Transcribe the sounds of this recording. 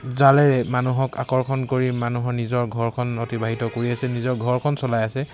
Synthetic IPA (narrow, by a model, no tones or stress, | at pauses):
zalɛɹɛmanuɦɔka̰kɔɹkʰɔnkoɹimanuɦɔɹnizɔɹɡʱɔɹkʰɔnotibaɦitɔkoɹiasɛnizɔɹɡʱɔɹkʰɔnsɔlajasɛ